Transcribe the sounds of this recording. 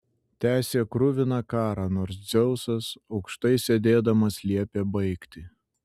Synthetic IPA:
t̪ʲæːsʲeːkɾʊʋʲɪnɑkɑːɾɑnoːɾsd̪zʲɛʊsɐsɒʊkʃt̪ɐɪsʲed̪ʲeːd̪ɐmɐslʲiɛpʲeːbɐɪkt̪ʲɪ

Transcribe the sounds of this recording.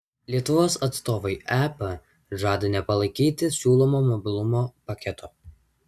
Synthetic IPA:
lʲiɛt̪ʊʋoːsɐt̪st̪oːʋɐɪʔæːpɐ | ʒɑːd̪ɐnʲɛpɐlˠɐɪkʲiːt̪ʲɪsʲuːlˠɔmoːmɔbʲɪlˠʊmoːpɐkʲɛt̪ʰoː

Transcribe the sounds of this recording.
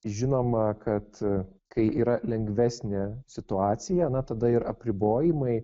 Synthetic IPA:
ʒʲɪnoːmɐkɐt̪kɐɪʔiːɾɐlʲɛŋɡʋʲæːsʲnʲɛsʲɪt̪ʊɑːsʲɪjɛɐnɐt̪ɐd̪ɐɪɾɐpʲɾʲɪboːjɪmɐɪ

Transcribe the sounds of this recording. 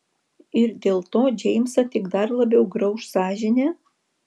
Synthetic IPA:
ɪɾd̪ʲeːlˠt̪oːd͡ʒʲɛɪmʲsɐt̪ʲɪɡd̪ɐɾlˠɐbʲɛʊɡɾɐʊʃsɑːʒʲɪnʲe

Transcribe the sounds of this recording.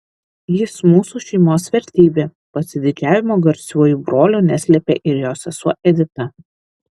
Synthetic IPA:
jɪsmuːsuʃʲɛɪmoːsʋʲɛɾʲt̪ʲiːbʲeː | pɐsʲɪd̪ʲɪd͡ʒʲæːʋʲɪmoːɡɐɾʲsʲuɔjuːbɾoːlʲuːnʲɛsʲlʲɛpʲeːʔɪɾjoːsʲɛsuɔʔɛd̪ʲɪt̪ɐ

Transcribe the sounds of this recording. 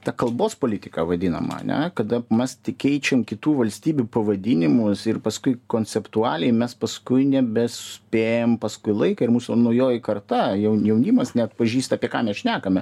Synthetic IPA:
t̪ɐkɐlˠboːspoːlʲɪt̪ʲɪ̥kɐʋɐd̪ʲɪnɐ̰mɐ̰ɐ̰nʲɛ̰kɐd̪ɐmʲɛst̪ʲɪkʲɛɪt͡ʃʲɛmkʲɪt̪uːʋɐlʲsʲt̪ʲiːbʲupɐʋɐd̪ʲɪnʲɪmʊsɪrpɐskʊɪkoːnʲt͡sʲɛpt̪uɑːlʲɛɪmʲɛspɐskʊɪnʲɛbʲɛsʊsʲpʲeːjɛmpɐskʊɪlˠɐɪkɐɪrmuːsʊnɐʊjoːjɪkɐrt̪ɑjɛʊjɛʊnʲimɐsnʲɛɐt̪̚pɐʒʲiːst̪ɐːpʲiɛkɑːmʲɛsʃʲnʲæːkɐmʲɛ

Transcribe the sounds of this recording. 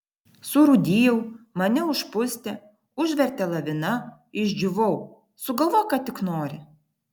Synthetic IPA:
sʊɾʊd̪ʲijɛʊmɐnʲɛʊʃpʊsʲt̪ʲɛ | ʊʒʲʋʲɛɾʲt̪ʲɛlˠɐʋʲɪnɐ | ɪʒʲd͡ʒʲʊʋɔʊ | sʊɡɐlˠʋoːjkɑːt̪ʲɪknoːɾʲɪ

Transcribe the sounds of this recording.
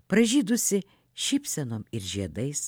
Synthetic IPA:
pɾɐʒʲiːd̪ʊsʲɪ | ʃʲɪpʲsʲɛnoːmɪɾʒʲiɛd̪ɐɪs

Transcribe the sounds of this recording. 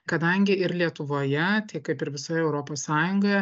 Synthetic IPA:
kɐd̪ɐŋʲɡʲɪɪɾlʲiɛt̪ʊʋoːjɛt̪ʲɛɪkɐɪpɪɾʋʲɪsoːjɛɛʊɾoːpoːssɑːjʊŋɡoj

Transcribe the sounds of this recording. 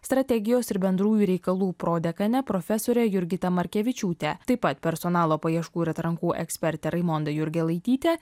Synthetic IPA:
st̪ɾɐt̪ʲɛɡʲɪjoːsɪɾbʲɛnd̪ɾuːjuːɾʲɛɪkɐlˠuːpɾoːd̪ʲɛkɐnʲɛpɾɔfʲɛsoːɾʲɛjʊɾʲɡʲɪt̪ɐmɐɾʲkʲɛʋʲɪt͡ʃʲuːt̪ʲɛt̪ɐɪpɐt̪pʲɛɾsɔnɑːlˠoːpɐjiɛʃkuːɪɾɐt̪ɾɐŋkuːʔɛ̰ksʲpʲɛɾʲt̪ʲɛɾɐɪmɔnd̪ɐjʊɾʲɡʲɛlˠɐɪt̪ʲiːt̪ʲɛ

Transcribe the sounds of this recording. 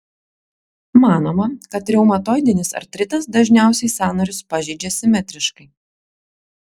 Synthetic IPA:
mɑːnoːmɐkɐt̪ɾʲɛʊmɐt̪oːjd̪ʲɪnʲɪsɐ̰ɾt̪ʲɾʲɪt̪ɐsd̪ɐʒʲnʲæˑʊsʲɛɪsɑːnoːɾʲʊspɐʒʲɛɪd͡ʒʲɛsʲɪmʲɛt̪ʲɾʲɪʃkɐɪ

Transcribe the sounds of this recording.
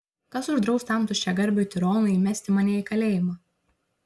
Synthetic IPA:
kɐsʊʒd̪ɾɒʊst̪ɐˑmt̪ʊʃʲt͡ʃʲɛɡɐɾʲbʲut̪ʲɪɾoːnʊimʲɛsʲt̪ʲɪmɐnʲɛikɐlʲeːjɪmɑː

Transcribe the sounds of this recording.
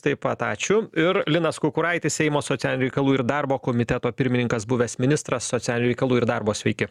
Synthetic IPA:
t̪ɐɪpɐt̪ɑːt͡ʃʲʊɪɾlʲɪnɐskʊkʊɾɐɪt̪ʲɪsʲɛɪmoːsoːt̪ʲælʲnʲʊɾʲɛɪkɐlˠuːɪɾd̪ɑɾboːkoːmʲɪt̪ʲɛt̪oːpʲɪɾʲmʲɪnʲɪŋkɐsbʊʋʲeːsmʲɪnʲɪst̪ɾɐssot͡s̪ʲæːlʲɪnʲʊɾʲɛɪkɐlˠuːɪɾd̪ɑrboːsʲʋʲɛɪkʲɪ

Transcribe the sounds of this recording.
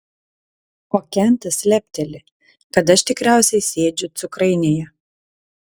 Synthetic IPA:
oːkʲɛnʲt̪ɐsʲlʲæpʲt̪ʲɛlʲɪ | kɐt̪̬ɐʃt̪ʲɪkɾʲæˑʊsʲɛɪsʲeːd͡ʒʲʊt̪sʊkɾɐɪnʲeːjɛ

